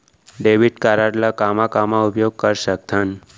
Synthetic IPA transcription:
ɖeʋiʈkaɾaɽlakamakamãupjoɡ̚kəɾʃək̚t̪ʰan

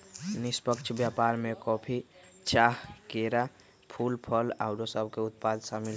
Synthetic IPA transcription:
nispəkt͡ʃʰbjapaɾmekɔpʰi | t͡ʃaɦkeɾa | pʰulpʰəla̰ʊɾosəb̚ʱkeut̪̚pad̪ʱsamil

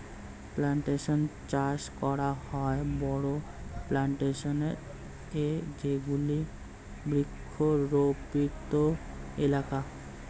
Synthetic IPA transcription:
plaɳʈeʃont͡ɕaɾʃkɔɾahɔebɔɽo | plaɳʈeʃoneɾ | ed͡ʑeɡuli | bɾikʰːoɾopit̪o | elaka

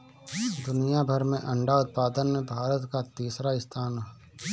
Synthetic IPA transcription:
d̪ʊnijabʱəɾmẽʔɐ̃ɳɖaʊt̪̚paːd̪ənmẽbʱaːɾət̪kat̪iːsɾaɪst̪ʰaːn

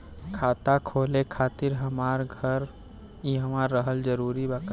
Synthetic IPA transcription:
kʰat̪akʰolekʰat̪iɾɦəmaɾɡʱəɾ | iɦəmaɾːəɦəld͡ʒəɾuɾibakə

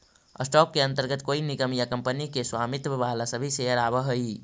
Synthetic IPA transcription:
ə̰sʈɔkːeənt̪əɾɡət̪koiniɡəmjakəmpənikeswamit̪ʋalasəbʱiseɦəɾabəɦəi

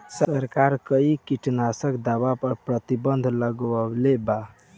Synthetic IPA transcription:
səɾkaɾkəikiʈnasəkd̪abapəɾpɾət̪ibənd̪ʱləɡəleba

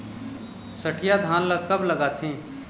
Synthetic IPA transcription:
sɐʈʰɪjad̪ʱaːnlɐkɐblɐɡaːt̪ʰĩː

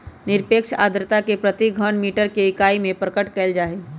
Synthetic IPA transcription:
nɪɾpeːkʃa̰ːd̪ɾət̪akepɾət̪iɡʱəɳmiːʈəɾkeɪkaːimẽpɾəkəʈkɛːld͡ʒaːe

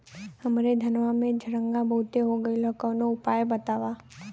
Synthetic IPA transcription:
həmɾed̪ʱənʋamẽd͡ʒʱəɾə̃ŋɡãbəɦʊt̪eɦoɡəiləkənoʊpaːjbət̪aːʋa

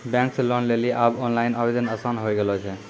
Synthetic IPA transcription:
bɛ̃ŋkslɔnleliʔabɔnlajnabed̪ənəsanɦojɡelɦojt͡ʃʰɛ

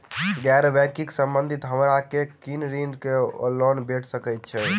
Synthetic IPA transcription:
ɡɛɾbɛkiksəmbə̃nd̪ʱit̪ɦəmɾakekinɾinɖkelɔnbeʈʰsəkəjt̪̚t͡ʃʰɛ

